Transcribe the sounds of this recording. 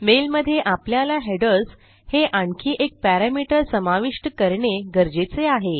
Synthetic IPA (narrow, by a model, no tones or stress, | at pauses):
melməd̪ʱːjeʔapljalaɦeɖəs | heʔaɳkʰiːʔek̚pæɾamiʈəɾsəmaʋiʂʈəkəɾɳeɡəɾd͡ʑet͡seaɦe